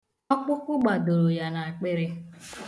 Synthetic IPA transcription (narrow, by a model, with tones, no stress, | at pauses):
ɔ˦k͡pʊ˦kʷʊ˦ɡ͡ba˨do˨ɾo˨ja˨na˨a˨k͡pe˦ɾɪ˦